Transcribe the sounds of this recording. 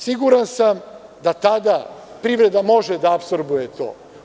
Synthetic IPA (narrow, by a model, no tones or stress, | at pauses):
siɡuɾansam | d̪at̪ad̪a | pɾiːʋɾe̞d̪amo̞ʒed̪aːpsoɾbujet̪o̞̰ː